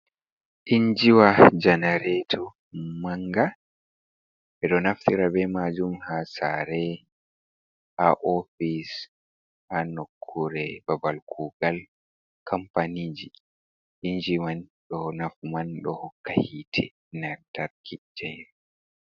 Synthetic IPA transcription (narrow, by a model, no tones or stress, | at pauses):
ʔiɲd͡ʒiwad͡ʒanaɾɛtʰɔ | maŋɡa | ɛɗɔnaftiɾabɛmad͡ʒumhasa̰ɾɛ | haʔɔfis | hanokʰːuɾɛbabalkʰuɡal | kʰampanid͡ʒi | ʔiɲd͡ʒimanɗɔnafmanɗɔhɔkːahitʰɛ̰ | nataɾkʰid͡ʒɛjɾ